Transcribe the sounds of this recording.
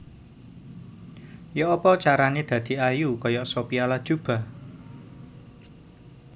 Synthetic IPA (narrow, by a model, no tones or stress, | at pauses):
jɔʔɔpɔt͡ʃaɾaned̪̥ä̤d̪̥i̤ajukɔjɔʔsopialad̥ʒ̥ṳb̥a̤